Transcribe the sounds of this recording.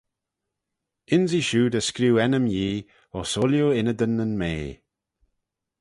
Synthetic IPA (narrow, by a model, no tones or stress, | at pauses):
ɪnziʃuːd̪əskɾuːɛnəmjiː | ɔsoljoɪnəd̪ənənmeː